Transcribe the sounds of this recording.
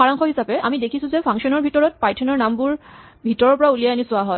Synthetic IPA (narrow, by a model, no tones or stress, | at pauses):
aɹaŋkɔɦisapɛʔamidekʰisʊ̃zɛpʰaŋsɔnɔɹbʱitɔɹɔt̚pajtʰɔnɔɹnambuɹ | bʱitɔɹɔɹpɔɹaulijajanisʊaɦɔj